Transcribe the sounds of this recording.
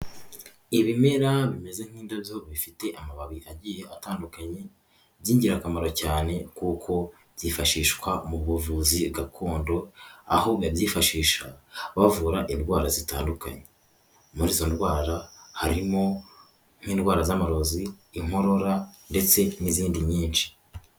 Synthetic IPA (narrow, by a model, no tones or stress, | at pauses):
iβime̞ɾaβime̞ze̞ŋ̥hiːndaβjo̞βifite̞ʔamaβaβiʔaɟiːje̞ataːndukaɲe̞ | βjiːɲɟiɾakamaɾo̞caːne̞kukʰo̞ | βjifaʃiːʃkwamuβuvuziɡakʰo̞ːndo̞a̰ho̞βaβjiːfaʃiːʃaβavuɾaʔindwaːɾazitaːnduka̰ɲe̞ | muɾiːzo̞ndwaːɾahaɾimo̞ | ŋ̥hiːndɡwaːɾazamaɾo̞ziːŋ̥o̞ɾo̞ɾande̞t͡se̞niziːndiɲiːnt͡ʃi̥